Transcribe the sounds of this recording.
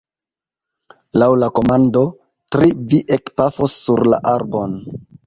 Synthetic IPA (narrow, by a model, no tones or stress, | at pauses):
lawlako̞mando̞ | tɾiviʔekpafosːuɾla̰ʔaɾbon